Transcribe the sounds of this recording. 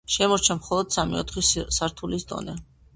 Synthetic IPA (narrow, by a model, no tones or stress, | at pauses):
ʃɛmɔɾt͡ʃʰamχɔlˠɔd̪̥samḭɔt̪ʰχissaɾt̪ʰulisd̪ɔ̰nɛ